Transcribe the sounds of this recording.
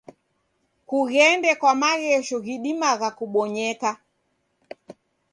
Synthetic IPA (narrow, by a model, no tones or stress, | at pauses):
kuɣɛndɛkwamaɣɛʃɔɣiɗimaɣakuɓɔɲɛka